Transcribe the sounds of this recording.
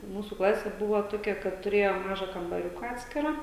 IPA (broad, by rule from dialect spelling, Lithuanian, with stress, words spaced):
ˈmuːsuː ˈklˠɑːsʲeː ˈbʊʋoː ˈtoːkʲɛ kɐt tʊˈrʲeːjoː ˈmɑːʒɐ kɐmbɐˈrʲʊkɐ ˈɑːtʲsʲkʲɪrɑː